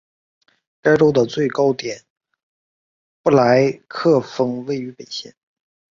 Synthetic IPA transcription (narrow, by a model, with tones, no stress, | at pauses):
ka˥ɪʈ͡ʂo˥ʊd̪ə˨t͡swe˥˩ɪkɑ˥ʊt̪jɛ˨˩˦n | pu˥˩la˧˥ɪkʰɤ˥˩fɤ˥ŋwe˥˩ɪy˧˥pe˨˩ɪɕjɛ̰˥˩n